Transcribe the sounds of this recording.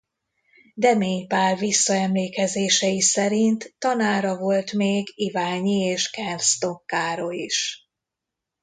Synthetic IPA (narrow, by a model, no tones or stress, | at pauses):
d̪ɛmeːɲpaːrvisːɒɛmleːkɛzeːʃɛjisɛɾint̪ːɒnaːɾɒvo̞lt̪meːɡivaːɲieːʃkɛnrst̪o̞kːaːɾoiʃ